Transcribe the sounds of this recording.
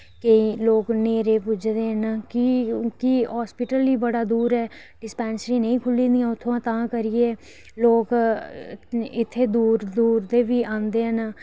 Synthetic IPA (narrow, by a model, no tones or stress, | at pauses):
keiːloːkneːɾeːpʊd͡ʒd̪eːɦənkikiɦaːspɪʈəliːbəɽaːd̪uːɾɦɛː | ɖɪspɛ̃ːnsɾĩːnəĩːkʰʊlĩːnd̪ɪjãːʊt̪ʰːõãːt̪ãːkəɾieː | loːk | ɪt̪ʰːeːd̪uːɾd̪uːɾd̪eːʋiːʔãːnd̪eːɦən